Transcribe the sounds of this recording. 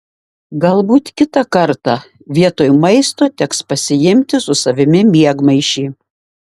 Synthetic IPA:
ɡɐlˠbuːt̪kʲɪt̪ɐkɐɾt̪ɑ | ʋʲiɛt̪oːjmɐɪst̪oːt̪ʲɛkspɐsʲɪjɪmʲt̪ʲɪsʊsɐʋʲɪmʲɪmʲiɛɡmɐɪʃʲiː

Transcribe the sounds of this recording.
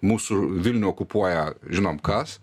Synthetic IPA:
muːsʊʋʲɪlʲnʲʊɔkʊpuɔjɛʒʲɪnoːmkɐs

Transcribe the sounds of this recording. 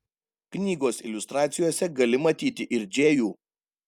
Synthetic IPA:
knʲiːɡoːsɪ̰lʲʊst̪ɾɑːt̪sʲɪjoːsʲɛɡɐlʲɪmɐt̪ʲiːt̪ʲɪʔɪɾʲd͡ʒʲeːjuː

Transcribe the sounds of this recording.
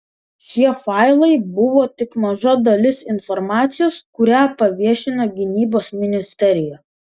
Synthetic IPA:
ʃʲiɛfɑˑɪlˠɐɪbʊʋoːt̪ʲɪkmɐʒɐd̪ɐlʲɪsɪnfɔɾmɑːt̪sʲɪjoːskʊɾʲæːpɐʋʲiɛʃʲɪnoːɡʲɪnʲiːboːsmʲɪnʲɪsʲt̪ʲɛɾʲɪjɛ

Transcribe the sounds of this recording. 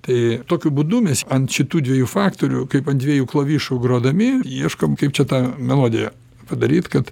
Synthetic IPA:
t̪ɐɪt̪oːkʲʊbud̪ʊmʲɛsɐnt̪ʃʲɪt̪uːd̪ʲʋʲiɛjuːfɑːkt̪oːɾʲʊkɐɪpɐnd̪ʲʋʲiɛjuːklˠɐʋʲiːʃʊɡɾoːd̪ɐmʲɪiɛʃkoːmkɐɪpt͡ʃʲɛt̪ɑːmʲɛlˠoːd̪ʲɪjɛ | pɐd̪ɐɾʲiːt̪kɐt̪

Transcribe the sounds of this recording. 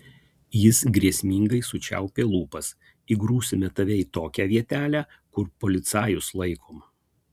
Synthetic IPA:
jɪsɡɾʲiɛsʲmʲiːŋɡɐɪsʊt͡ʃʲæ̰ʊpʲeːlˠuːpɐs | iɡɾuːsʲɪmʲɛt̪ɐʋʲɛɪt̪oːkʲæʋʲiɛt̪ʲæːlʲæː | kʊɾpoːlʲɪt̪sɑːjʊslˠɐɪkʰoːm

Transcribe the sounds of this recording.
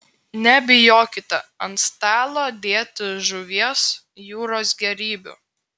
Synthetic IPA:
nʲɛbʲɪjoːkʲɪt̪ɐɐnt̪st̪ʲæːlˠod̪ʲeːt̪ʲɪʒʊʋʲiɛs | juːɾoːsɡʲɛɾʲiːbʲʊ̰ˑ

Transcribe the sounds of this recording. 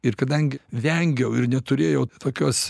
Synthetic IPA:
ɪɾkɐd̪ɐŋʲɡʲɪʋʲɛŋʲɡʲɛʊɪɾnʲɛt̪ʊɾʲeːjɛʊt̪oːkʲoːs

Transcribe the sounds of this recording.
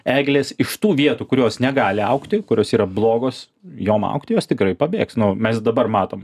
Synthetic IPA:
æːɡʲlʲeːsɪʃt̪uːʋʲiɛt̪uːkʊɾʲoːsnʲɛɡɑːlʲɪɐʊkt̪ʲɪkʊɾʲoːsiːɾɐblˠoːɡoːs | joːmɐ̰ʊkt̪ʲɪjoːst̪ʲɪkɾɐɪpɐbʲeːksnʊmʲɛsd̪ɐbɐrmɑːt̪oːm

